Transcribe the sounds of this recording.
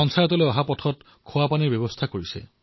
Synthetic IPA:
ɔnsajɔtɔloeɔɦapɔtʰɔt | kʰowapanibɔbɔst̪ʰakoɹisḛ

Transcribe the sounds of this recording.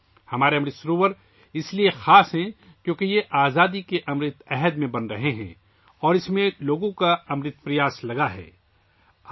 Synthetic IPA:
hɐmaːɾeɐmɾɪt̪sɐɾuːʋəɾ | ɪsliexaːsɦɛ̃ | kjõːkijeʔaːzaːd̪ikeʔɐmɾɪt̪ɛɦəd̪mẽbɐnɾɐɦeɦɛ̰̃ː | ɔːɾɪsmẽloːɡõkaɐmɾɪt̪̚pɾɪjaːslɐɡaɦɛ̰ː

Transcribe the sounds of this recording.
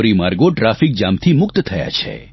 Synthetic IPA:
ɾimaɾɡoʈɾafik̚d͡ʒamt̪ʰimʊkt̪t̪ʰəja̰t͡ʃʰḛ

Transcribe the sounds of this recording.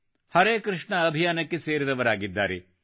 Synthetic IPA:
hɐɾeːkɾɨʂɳɐːbʱijaːnɐkːeseːɾiɾɐʋɐɾaːɡid̪ːa̰ːɾe

